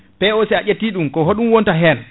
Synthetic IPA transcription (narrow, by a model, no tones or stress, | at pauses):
pɛosɛaʔetːiːɗumkɔɦoɗumwontaɦɛn